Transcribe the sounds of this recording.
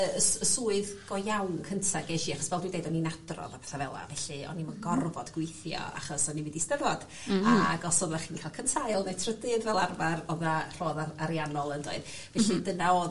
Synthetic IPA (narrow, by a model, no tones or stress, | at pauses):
əsəsuːɨðɡ̥ɔjawnkʰəntʰaɡɛʒiaχɔ̥svɛlˠdwindejdɔninad̥rɔ̰ðapʰɛθavɛlˠa̰vɛɬɨɔ̰nimanɡɔrvɔdɡwɪjθjɔ̰a̰χɔsɔniwɪdistəvɔd̥ | aɡɔsɔðlaχiːnkʰalˠkʰənsajlˠnetʰrədɨðvɛlˠarvarɔðar̥oːðaaɾianɔlˠəndo̰ɨd̥ | vɛɬɨdənaoː